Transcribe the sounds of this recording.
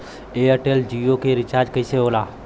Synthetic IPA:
eːəʈeːld͡ʒiokʰeɾɪt͡ʃaːɾd͡ʒkɐiːseɦoːlaː

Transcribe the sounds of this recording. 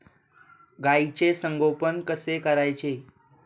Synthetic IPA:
ɡait͡ɕesəŋɡopənkəsekəɾajt͡ɕe

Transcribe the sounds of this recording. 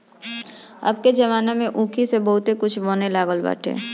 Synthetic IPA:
ɐ̰b̚ked͡ʒɐʋaːnamẽʔũːkʰisebɐɦʊt̪ekʊt͡ʃʰboːnelaːɡəlba̰ːʈʰḛː

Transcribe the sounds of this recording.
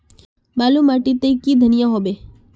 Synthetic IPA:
malumaʈit̪ekid̪ʱənijaɦobe

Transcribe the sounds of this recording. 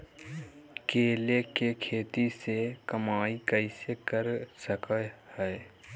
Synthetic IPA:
keːlekekʰeːt̪isekəmaːikəɪsekəɾsəkəhɛː

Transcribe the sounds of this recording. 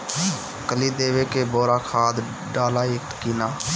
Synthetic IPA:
kəliːd̪eːʋeːkeːboːɾaːkʰaːd̪ | ɖaːlaːek̚t̪kiːnaː

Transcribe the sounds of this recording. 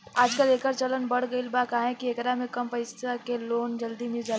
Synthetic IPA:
aːd͡ʒkəleːkəɾt͡ʃɐlənbɐɽ̤ɡəilbaːkaɦɦẽkiekɾamẽkɐmpɐɪsakeloːnd͡ʒɐld̪imɪd͡ʒa

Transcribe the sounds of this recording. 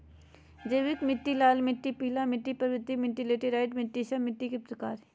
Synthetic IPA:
d͡ʒeːʋɪkmɪʈːilaːlmɪʈːipiːlamɪʈːipɐʋɾɪd̪ʱːimɪʈːileːʈiɾaːɪʈmɪʈːiʃɐmɪʈːikepɾɐkaːɾ

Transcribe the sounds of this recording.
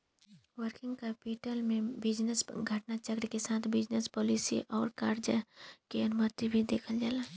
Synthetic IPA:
ʋəɾkɪ̃ŋɡkɛpiːʈəlmẽbɪd͡ʒnəsɡʱɐʈnat͡ʃəkɾikesaːt̪ʰbɪd͡ʒnəspɔːlisḭʔɔːɾkaːɾd͡ʒəkeɐnʊmət̪ibʱid̪eːkʰəld͡ʒaːlaː

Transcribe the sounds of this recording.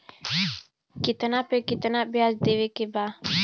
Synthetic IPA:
kɪt̪napekɪt̪nabjaːsd̪eːʋekebaː

